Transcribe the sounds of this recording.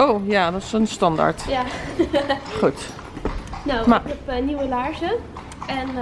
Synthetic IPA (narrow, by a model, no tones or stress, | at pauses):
oːjaːdɔtsənstɑnda̰ɹtja | χut | nomɪkɛpniwʋəlaːɹʒə | ɛn